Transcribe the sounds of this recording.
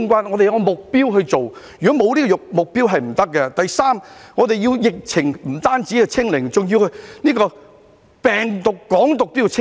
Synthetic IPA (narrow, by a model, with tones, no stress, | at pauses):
ŋkʷaː˥nɔ˨˧t̪e˨jɐ˧˥kɔ˧mʊ˨k̚piː˥wɦɵ˧t͡so˨wjy˨kɔ˨˦˥mo˨˧wliː˥kɔ˧jʊ˨k̚mʊ˨k̚piː˥wɦɐ˨jm̩˨˩t̪ɐ˥k̚ːɛ˧t̪ɐ˨jsaː˥mŋɔː˨˧t̪e˨ji˧wjɪ˨k̚t͡sʰɪ˨˩ŋm̩˨˩t̪aː˥nt͡si˨˥kɛ˧t͡sʰɪ˥ŋlɪ˨˩ŋt͡sʊ˨˩ŋji˧whɵ˧jniː˥kɔː˧ | pɛː˨ŋt̪ʊ˨kːɔː˨˥ŋt̪ʊ˨k̚t̪iː˥kt͡sʰɪ˥